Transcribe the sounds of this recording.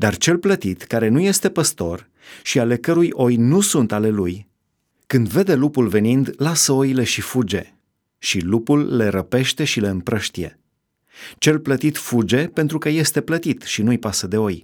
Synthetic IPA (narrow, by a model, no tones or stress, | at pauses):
d̪art͡ʃe̞lplət̪it̪kaɾe̞nuje̞st̪e̞pəst̪o̞̰r | ʃiale̞kəɾujʔo̞jnusunt̪ale̞luj | kɨnd̪ve̞d̪e̞lupulve̞nind̪lasəo̞jile̞ʃifud͡ʒe̞̰ | ʃilupulːe̞ɾəpe̞ʃt̪e̞ʃile̞ɨmpɾəʃt̪ije̞̰ | t͡ʃe̞lplət̪it̪fud͡ʒe̞pe̞nt̪ɾukəje̞st̪e̞plət̪it̪ʃinujpasəd̪e̞o̞j